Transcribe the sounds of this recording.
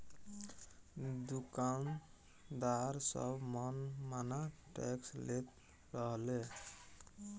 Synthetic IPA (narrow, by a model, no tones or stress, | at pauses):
d̪ukan | d̪aɾsʌ̰bmʌnmanaʈekslet̪ | ɾʌɦle